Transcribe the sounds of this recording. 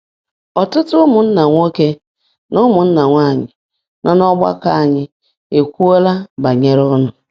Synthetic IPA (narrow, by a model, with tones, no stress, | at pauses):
ɔ˨tʊ˦tʊ˦mʊ˨n̩˦na˨ŋʷo˦ke˦ | nʊ˦mʊ˨n̩˦na˨ŋʷa˦˨ɲɪ̰˨ | na˦˨nɔ˦ɡ͡ba̰˦ka˦a˨ɲɪ˦ | e˨kʷu˦o˦la˦ba˨ɲe˦ɾʊ˦nʊ˨